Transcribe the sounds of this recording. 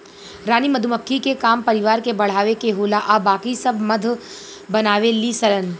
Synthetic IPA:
ɾaːnimɐd̪ʱuməkʰːikekaːmpɐɾɪʋaːɾkebɐɽ̤aːʋekeɦoːlaʔabaːkisɐbʱmɐd̪ʱ | bɐnaːʋelisɐɾən

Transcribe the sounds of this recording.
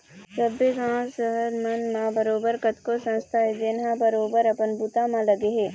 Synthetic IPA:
səbiɡãːsəɦəɾmɐnmãbəɾoːbəɾkət̪kosɐ̃nst̪ʰaed͡ʒenɦãbəɾoːbəɾɐpənbut̪amãlɐɡeɦeː

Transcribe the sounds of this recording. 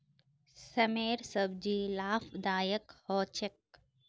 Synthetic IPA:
sɐmeːɾsɐbd͡ʒiːlaːfd̪aːjəkhɔːt͡ʃek̚

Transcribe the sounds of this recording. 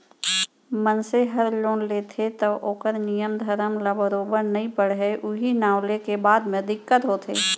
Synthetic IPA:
mənseɦəɾloːnleːt̪ʰet̪əoːkəɾnijəmd̪ʱəɾəmlabəɾoːbəɾnɐɦĩpəɽ̤ɦɛʔʊɦinaːwlekebaːd̪mẽd̪ɪkːət̪ɦoːt̪ʰḛː

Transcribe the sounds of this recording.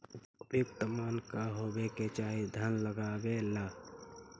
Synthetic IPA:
ɾjuk̚t̪əmankaɦobeket͡ʃaid̪ʱənləɡabela

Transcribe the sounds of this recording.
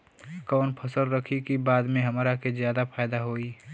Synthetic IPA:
kɔːnpʰɐsəlɾɐkʰikibaːd̪mẽɦɐmaːɾakezjaːd̪apʰaːjd̪aɦoːiː

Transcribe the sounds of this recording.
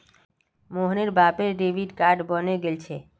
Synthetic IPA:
moɦneɾbapeɾɖeʋiɖkaɾɖbəneɡelt͡ʃʰe

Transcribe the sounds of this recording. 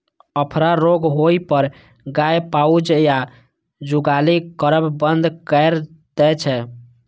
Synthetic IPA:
əpʰɾaɾoɡɦoipəɾ | ɡajpaud͡ʒja | d͡ʒuɡalikəɾəbbənd̪kəjɾ | d̪̥ɛt͡ʃʰɛ

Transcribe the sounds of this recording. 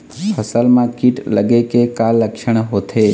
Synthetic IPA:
pʰəsəlmãkiʈləɡekekalːəkʃəɳ̃ɦot̪ʰe

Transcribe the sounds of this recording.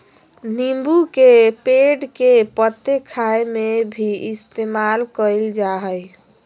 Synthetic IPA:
nimbukepeɖkepət̪ːekʰaemebʱiist̪emalkəɪld͡ʒaɦəj

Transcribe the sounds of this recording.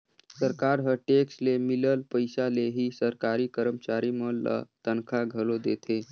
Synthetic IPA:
səɾkaɾɦəʈekslemiləlpəjsaleɦiːsəɾkaɾiːkəɾəmt͡ʃaɾimələ̰t̪ənkʰaɡʱəlod̪et̪ʰe

